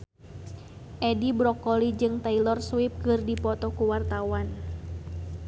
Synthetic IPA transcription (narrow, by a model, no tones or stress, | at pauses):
ʔɛdibɾɔkɔlid͡ʒɨŋt̪ailɔrswip̚kɨrdipɔt̪ɔkuwart̪awan